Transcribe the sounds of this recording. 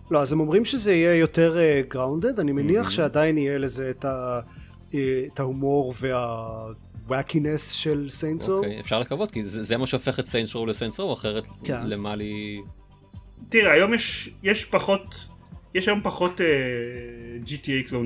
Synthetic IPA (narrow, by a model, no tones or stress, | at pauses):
lo̞azemo̞mʁimʃezeijejo̞te̞ʁeɡʁawnde̞danimeniaχʃeadajinijelezeːta | etahumo̞ʁve̞a | wakinesʃelsejnsoejefʃaʁlekavot̚kizezemaʃeofe̞χetsejnsowlesejnsowaχeʁetkelemali | t̪iʁɛajo̞mjɛʃjɛʃpaχo̞t | jɛʃajo̞mpɐχote | d͡ʒitiejklo